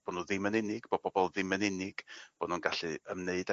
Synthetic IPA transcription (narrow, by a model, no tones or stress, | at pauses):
b̥ɔdnuðɪmənɪnɪɡ̥bobɔbɔlˠðɪmənɪnɪɡ̥b̥ɔdnuːnɡaɬɨəmneɨda